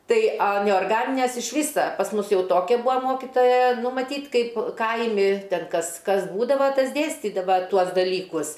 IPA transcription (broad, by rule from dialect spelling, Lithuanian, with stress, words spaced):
ˈtɐɪ ɐ nʲɛoːrˈɡɑːnʲɪnʲæs ɪʃ ˈʋʲiːsɐ pɐs ˈmʊs ˈjɛʊ ˈtoːkʲɛ ˈbʊɐ ˈmoːkʲɪtoːjɛ ˈnʊ mɐˈtʲiːt ˈkɐɪp ˈkɐɪmʲɪ ˈtʲɛn ˈkɐs ˈkɐs ˈbuːdɐʋɐ ˈtɐs ˈdʲeːsʲtʲiːdɐʋɐ ˈtuɔs dɐˈlʲiːkʊs